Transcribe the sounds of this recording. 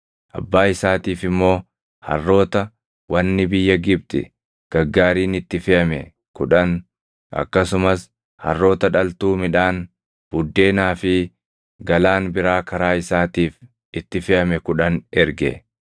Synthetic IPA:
ʔɐ̰bːaːɪsaːt̪iːfɪmːo̞ː | hɐ̰rːo̞ːt̪ɐ | wɐnːɪbɪjːɐɡɪb̚t̪ɪ̰ | ɡ̥ɐɡːaːɾiːnɪt̪ːɪfɪʔɐmɛ | kʊᶑɐn | ʔɐ̰kːɐsʊmɐs | hɐ̰rːo̞ːt̪ɐᶑɐlt̪uːmɪᶑaːn | b̥ʊd̪ːe̞ːnaːfɪ | ɡɐlaːnbɪɾaːkɐɾaːɪsaːt̪iːf | ɪt̪ːɪfɪʔɐmɛkʊᶑɐnɛɾɡɛ̰

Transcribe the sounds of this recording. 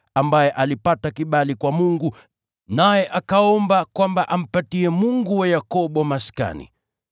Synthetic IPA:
ambajɛʔalipatakiɓalikwamuŋɡu | najɛʔakaɔmbakwambaʔam̩patiɛmuŋɡuwajakɔɓɔmaska̰nḭ

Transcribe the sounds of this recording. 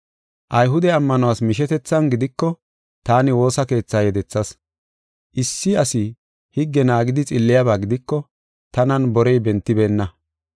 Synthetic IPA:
ʔɐjɦʊd̪ɛɐmːɐnɔwaːsmɪʃɛt̪ɛt͡sːɐnɡɪd̪ɪkːɔ | t̪aːnɪwo̞ːsɐke̞ːt͡sːaːjɛd̪ɛt͡sːɐs | ʔɪsːɪɐsɪ | hɪɡːɛnaːɡɪd̪ɪt͡sʼɪlːɪjabaːɡɪd̪ɪkːɔ | t̪ɐnɐnbɔɾɛjbɛnt̪ːɪbeːnːɐ

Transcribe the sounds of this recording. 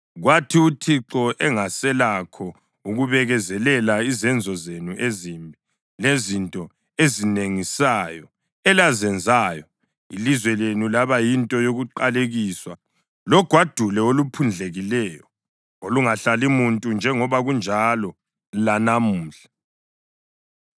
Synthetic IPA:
ɣwatʰiutʰiǁɔʔɛŋasɛlakʰɔ | uɣuβɛɣɛzɛlɛlaizɛnd͡zʱɔzenuʔezimbʱi | lezintʼɔ | ezineŋisajɔ | ɛlazɛnd͡zʱaːjɔ | ḭlizwɛlenulaβajintʼɔjoɣuǃaleɣiswa | lɔɡ̥ʱwad̥ʱulɛolupʰund͡ɮʱeɣilɛːjɔ | oluŋaɬalimuntʼund͡ʒʱɛŋɔβaɣund͡ʒʱalɔ | lanamuːɬḁ

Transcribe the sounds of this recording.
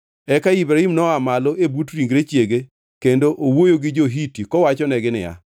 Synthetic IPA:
ɛkaibɾaimnɔamalɔʔebutɾiŋɡɾet͡ʃjeɡe | kendoʔowojoɡɪd͡ʒoɦitikɔwat͡ʃɔnɛɡɪnɪ̰ja̰

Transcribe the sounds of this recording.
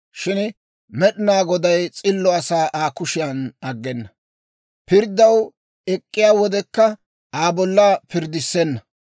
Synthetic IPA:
ʃɪn | mɛɗɪnaːɡɔd̪ɐjt͡sʼɪlːɔɐsaːʔaːkʊʃɪjanɐɡːɛnːɐ | pɪɾd̪ːɐw | ɛkʼːɪjaːwɔd̪ɛkːɐ | aːbɔlːɐpɪɾd̪ɪsːɛnːɐ

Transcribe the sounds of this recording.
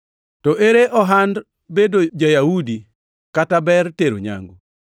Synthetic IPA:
tɔʔeɾeʔɔɦand | bedod͡ʒajaudi | katabɛrteɾo̰ɲa̰ŋɡu

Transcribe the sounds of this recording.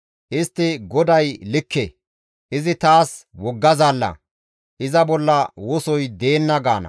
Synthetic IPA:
ʔɪst̪ːɪɡɔd̪ɐjlɪkːe | ʔɪzɪt̪aːswɔɡːɐzaːlːɐ̰ | ʔɪzɐbɔlːɐwʊsɔjd̪e̞ːnːɐɡaːnɐ̰

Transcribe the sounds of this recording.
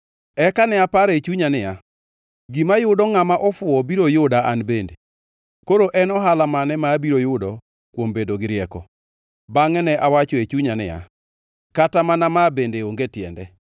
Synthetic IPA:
ɛkanɛapaɾet͡ʃuɲanɪja | ɡimajʊdɔŋamaʔɔfʊɔbiɾojʊdaʔanbende | koɾoʔɛnɔɦalamanɛmaːbiɾojʊdɔ | kwombedoɡɪɾjɛkɔ | baŋɛnɛʔawat͡ʃoet͡ʃuɲanɪ̰ja̰ | katamanamabendeoŋɡetjɛ̰ndɛ

